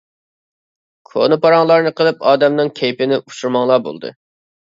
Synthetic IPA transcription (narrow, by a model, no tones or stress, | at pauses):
kʰo̰nɨpɑɾɑŋlˠɑɾnɨqʰəlˠɨpɑːd̪ɛmnɨŋkʲʰejpɪnɪʔut͡ʃʰuɾmɑŋlˠɑːbo̰lˠd̪ɨ̰